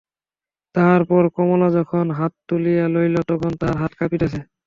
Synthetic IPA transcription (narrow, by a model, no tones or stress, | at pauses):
taɦaɹpɔɹkɔmɔlazɔkʰɔnɦatːulijalojlɔtɔkʰɔntaɹɦatkapitasɛ